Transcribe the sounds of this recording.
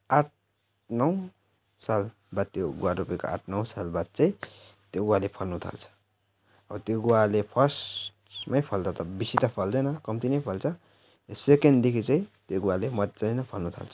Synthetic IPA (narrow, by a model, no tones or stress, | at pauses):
aʈ̚ʰ | nʌw | sal | bad̪̚t̪ːjoɡuwaɾupeko̰ʔa̰ʈʰnʌwsalbad̪̚t͡saĩt̪joɡualepʰʌlnut̪ʰa̰lt͡sʰʌ̥ | ʌbʌt̪joɡualepʰʌsʈmʌjpʰʌld̪ʌt̪ʌbisit̪apʰʌld̪ʌjnʌkʌmt̪inʌjpʰʌlt͡sʰʌ | jesekend̪ekʰit͡saĩt̪joɡuwalemʌt͡sʌinʌpʰʌlnut̪ʰa̰lt͡sʰʌ̥